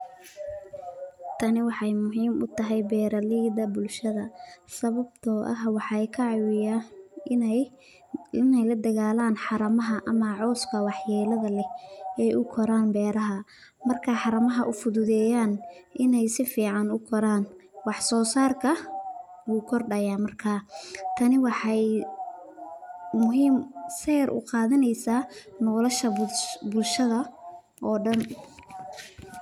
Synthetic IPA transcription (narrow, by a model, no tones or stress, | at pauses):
t̪ʰɐnɪwɑħɑjmʊɦiːmʔʊ̰t̪ʰɐɦɛjbɛːɾɐlɪd̪ɐbʊlʃɐðɐsɐβɐb̚t̪ʰɔːʔɐ̰ɦwɑħɑjkʰɐʕɑwɪjan | ɪnɛjlɐd̪ɐɣaːlaːnħɑɾɐmɐɦɐʔɐmɐʕɔːskʰɐwɑħjɛːlɐðɐlɛɛːjʔʊkʰɔɾaːnbɛːɾɐɦɐ | mɐrkʰɐħɑɾɐmɐɦɐʔʊfʊðʊðɛːjaːnʔɪnɛjsɪfiːʕɑnʊkʰɔɾaːnwɑħsɔːsaːrkʰɐ | wuːkʰɔrɖɐjaːmɐrkʰaːt̪ʰɐnɪwɑħɑj | mʊɦiːmsɛːɾʔʊ̰qɑːðɐnɛjsaːnɔːlɐʃɐbbʊlʃɐðɐ | ʔɔːɖɐn